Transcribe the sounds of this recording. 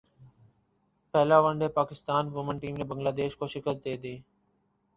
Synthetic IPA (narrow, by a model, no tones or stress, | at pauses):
pɛɦlaːʋəɳɖeːpaːkɪst̪aːnʋʊmənʈiːmneːbəŋɡlaːd̪eːʃkoːʃɪkəst̪̚d̪eːd̪eː